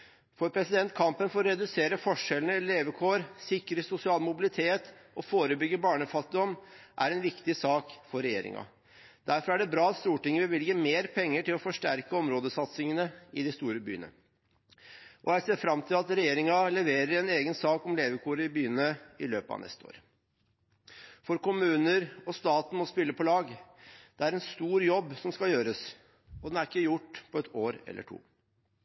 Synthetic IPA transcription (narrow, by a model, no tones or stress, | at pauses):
fɔɾpʰɾɛsɪd̪ɛnt̪̚kʰɑmpənfɔɾɾɛd̪ʉseːɾəfɔʂɛlnəleːʋəkʰoːɾsɪkɾəsʊsɪɑːlmʊbɪlɪt̪ʰeːt̪ʔɔfoːɾəbʏɡːəbɑːɳəfɑt̪ɪɪd̪ɔmːʔæɾɛnʋɪkt̪ɪsɑːkfɔɾɛjḛːɾɪ̰ŋɑ̰ | d̪̥æɾfɔɾæɖɛbɾɑːɑt̪st̪uːʈɪŋːəʋɪlʋɪlɡəmeːɾpʰɛŋːəʈɪlɔfɔʂʈæɾkəɔmɾoːd̪əsɑt̪sɪŋənəɪd̪ɪst̪uːɾəby̰ːənə̰ | ʔɔjæɪseːfɾɑmt̪ʰɪlɑt̪ɾɛjeːɾɪŋɑlɛʋeːɾəɾɛneːɡənsɑːkɔmleːʋəkʰuːɾəɪbyːənəɪløːpəɑ̰ʋnɛ̰st̪əo̰ːɾ | fɔɾkʊmʉːnəɾɔst̪ɑːt̪n̩mɔspɪlːəpʰɔlɑːɡd̪̥ɛæɾɛnst̪uːɾjɔbːsɔmskɑljøːɾəs | ɔd̪ɛnæɾɪkːəjʊʈːpʰɔɛt̪ʰoːɾɛ̰lːə̰ʈʰṵː